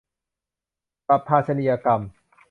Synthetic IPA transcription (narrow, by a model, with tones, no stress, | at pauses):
pa˨˩pʰːaː˧t̪sa˧ni˨ja˧ka˧m